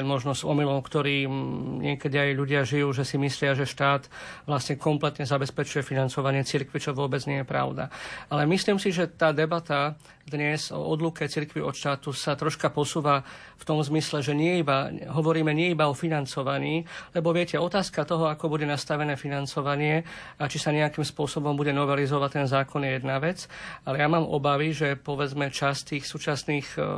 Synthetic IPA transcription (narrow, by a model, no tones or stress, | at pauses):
nmɔʒnɔzɔmilɔʊkt̪ɔɾiːɲɪɛkɛd̪iajʎuɟɪaʒijuːʒɛsimislɪaʒɛʃt̪aːt̪ʋlasɲɛkɔmplɛt̪ɲɛzabɛspɛt͡ʃujɛfinant͡sɔʋaɲɪɛt͡siɾkʋit͡ʃɔʋʊɔbɛd͡zɲɪɛjɛpɾa̰ʊd̪a̰alɛmisliːmsiʒɛt̪aːd̪ɛbat̪a | d̪ɲɛzɔ̰ɔd̪lukɛt͡siɾkʋiɔt̪ʃt̪aːt̪usat̪ɾɔʃkapɔsuːʋa | ft̪ɔmzmislɛʒɛɲɪɛibaɦɔʋɔɾiːmɛɲɪɛibaɔfinant͡sɔʋaɲiːlɛbɔʋɪɛcɛɔt̪aːskat̪ɔɦɔakɔbuɟɛnast̪aʋɛnɛːfinant͡sɔʋaɲɪɛ | at͡ʃisaɲɛakiːmspʊɔsɔbɔmbuɟɛnɔʋɛlizɔʋact̪ɛnzaːkɔnjɛjɛd̪naʋɛt͡salɛjamaːmʔɔ̰baʋiʒɛpɔʋɛd͡zmɛt͡ʃast̪iːxsuːt͡ʃasniːx